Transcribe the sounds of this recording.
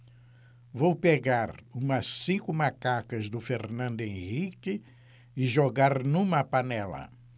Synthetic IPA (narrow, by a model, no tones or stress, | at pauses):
vowpeɡaɾũmɐsĩkʊmakakɐzd̪ʊfeɾnɐ̃nd̪ʊẽʁikɪ | ɪʒoɡaɾnũmɐpanɛlɐ̰